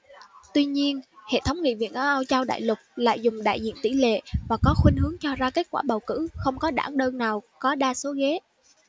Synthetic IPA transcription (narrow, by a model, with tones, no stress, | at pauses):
t̪wi˧ɲi˧ənhḛ˧˨t̪ʰə˨˦wŋ͡mŋḭ˧˨vḭ˧˨ənʔa˧ʔa˧wt͡ɕa˧wɗa̰ː˧˨jlʊ˨˩k̚la̰ː˧˨jzʊ˨˩ŋ͡mɗa̰ː˧˨jzḭ˧˨ənt̪i˧˩lḛ˧˨vaː˨˩kɔ˨˦xwï˧ŋ̟hɨ˨˦əŋt͡ɕɔ˧zaː˧ke˨˦˥t̚kwaː˧˩ɓa˨˩wkɨ̰˧˥xə˧wŋ͡mkɔ˨˦ɗa̰ː˧˩ŋɗəː˧nnaː˨˩wkɔ˨˦ɗaː˧so˨˦ɣe˨˦